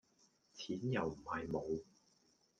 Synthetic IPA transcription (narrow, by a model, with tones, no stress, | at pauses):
t͡sʰiː˨˥njɐ˨˩wm̩˨˩hɐ˨jmo˨˧w